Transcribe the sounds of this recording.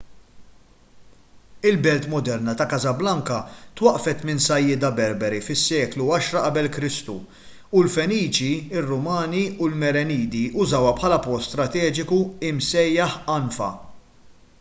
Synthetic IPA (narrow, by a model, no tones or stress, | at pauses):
ɪlbɛlt̪mɔd̪ɛɾnɐt̪ɐkɐzɐblɐŋkɐt̪wɐʔfɛt̪mɪnsɐjːɪːd̪ɐbɛɾbɛɾifɪsːɛːkluɐʃɾɐʔɐbɛlkɾɪst̪u | ulfɛniːt͡ʃiɪrːʊmɐːniʊlmɛɾɛniːd̪iʔʊzɐwɐpħɐlɐpɔt̪st̪ɾɐt̪ɛːd͡ʒɪkuɪmsɛjːɐħɐnfɐ̰